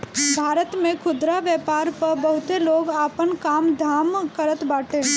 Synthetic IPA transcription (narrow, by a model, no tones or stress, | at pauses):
bʱaːɾət̪mẽkʰʊd̪ɾaʋjɛːpaːɾpɐɾbəɦʊt̪eloːɡaːpənkaːmd̪ʱaːmkəɾət̪baːʈʰeː